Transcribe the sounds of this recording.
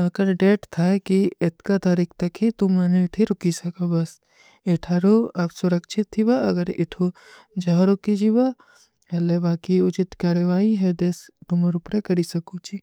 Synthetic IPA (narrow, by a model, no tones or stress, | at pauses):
ɐɡəɾɖeːʈt̪ʰakiɪt̪kat̪aːɾiːkʰt̪ɐkɦit̪ʊmɐneɪʈʰiɾʊkisɐkabɐs | ɪʈʰaːɾoapsʊɾɐkʃʰɪt̪ʰːibaɐɡəɾɪ̰ʈʰo | d͡ʒɐɦaɾʊkid͡ʒiba | ɐlebaːkiʊt͡ʃɪt̪kaːɾjəʋaːiɦɛd̪es | t̪ʊmɐɾʊpɾekɐɾisɐkut͡ʃi